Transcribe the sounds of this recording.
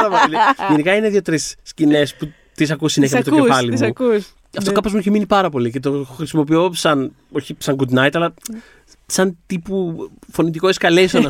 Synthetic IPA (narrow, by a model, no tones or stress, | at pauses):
ɐvɐsineʝenikɐineðot̪ɾisːcine̞spu | t̪isɐkusineçiɐpotoefɐlimsɐkus | ɐft̪oɐpo̞zmueçeminipɐɾɐpo̞lice̞t̪o̞xɾisimo̞pio̞sɐn | o̞çisɐŋɡut̪nɐjt̪ɐlɐ | sɐnt̪ipufo̞nit̪ikoeskɐlesonɐ